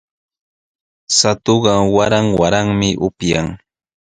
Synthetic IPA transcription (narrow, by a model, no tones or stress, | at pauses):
sat̪oɢɑwaɾaŋwaɾaŋmɪʔʊpjaŋ